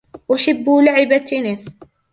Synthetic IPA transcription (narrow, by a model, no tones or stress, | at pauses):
ʔaħɪbːulaʕɪbat̪ːɪnɪs